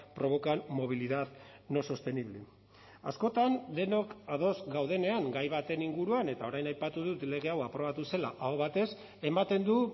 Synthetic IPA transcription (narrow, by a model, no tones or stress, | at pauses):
pɾo̞β̞o̞kanmo̞β̞iliðað | no̞sost̪e̞niβle | a̰sko̞t̪and̪e̞no̞kaðo̞zɡawðe̞ne̞aŋɡajβ̞at̪e̞niŋɡuɾuane̞t̪ao̞ɾajnajpat̪uðut̪le̞ɣ̞e̞awapɾo̞β̞at̪use̞laʔaoβ̞at̪e̞s | e̞mat̪e̞nd̪u